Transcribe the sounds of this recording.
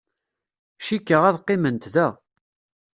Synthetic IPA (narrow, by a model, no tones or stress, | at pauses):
ʃikːəʁæðqːɪmənt̪ðæ